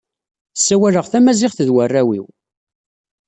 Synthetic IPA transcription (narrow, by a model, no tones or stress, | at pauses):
sːæwæləʁθæmæzɪʁθəðwərːæwḭw